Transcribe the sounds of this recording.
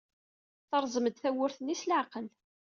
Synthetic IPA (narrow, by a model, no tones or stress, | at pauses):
θəɾˤzˤəməd̪θæwʊɾθənːislʕqəl